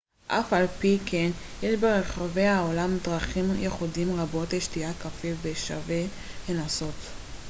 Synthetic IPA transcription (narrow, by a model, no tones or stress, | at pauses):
ʔafalpikʰen | jeʃbeʁeχave̞aolamdʁaχimjeχudimʁabo̞teʃtiakafeveʃa̰ve | henaso̞t